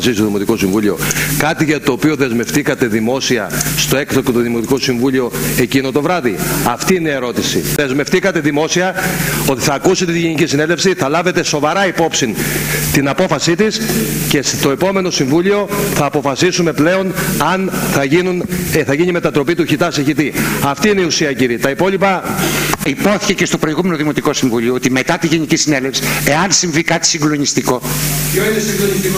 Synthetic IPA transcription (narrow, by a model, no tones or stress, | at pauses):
sist̪oðimo̞t̪iko̞siɱvulio̞̰kɐt̪iʝɐt̪o̞ːpio̞ðe̞zme̞ft̪ikɐt̪e̞ðimo̞siɐ̰st̪o̞ekt̪okot̪oðimo̞t̪iko̞siɱvulio̞e̞cinot̪o̞vɾɐðiɐft̪iinee̞ɾo̞t̪isḭðe̞zme̞ft̪ikɐt̪e̞ðimo̞siɐo̞t̪i̥θɐːkuse̞t̪e̞t̪iʝenicisinelefsiθɐlɐve̞t̪e̞so̞vɐɾɐipo̞psint̪inɐpo̞fɐsit̪isce̞st̪o̞epo̞me̞no̞siɱvulio̞θɐːpo̞fɐsisume̞ple̞o̞nɐnθɐʝinuneθɐʝiɲime̞t̪ɐt̪ɾo̞pit̪uçit̪ɐseçit̪iɐft̪iineiusiɐciɾit̪ɐipo̞lipɐ | ipo̞θi̥ce̞ce̞st̪o̞pɾoiɣume̞no̞ðimo̞t̪iko̞siɱvuʎioot̪ime̞t̪ɐt̪iʝenicisine̞lefsi̥e̞ɐnsiɱvikɐt̪i̥siŋɡlo̞nist̪iko̞